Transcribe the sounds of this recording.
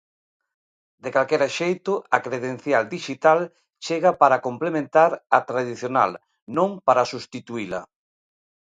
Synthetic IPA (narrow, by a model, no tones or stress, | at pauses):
d̪ekalkɛɾaʃejt̪ʊakɾeðen̟θjald̪iʃit̪al | t͡ʃeɣapaɾakomplemẽnt̪aɾɐt̪ɾaðiθjona̰l | nõŋpaɾasust̪it̪uilɐ̰